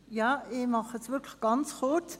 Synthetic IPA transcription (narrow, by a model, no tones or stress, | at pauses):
jɑːɪmɑχəsʋɪkʰləχɡ̥ɑnt͡sχʊt͡s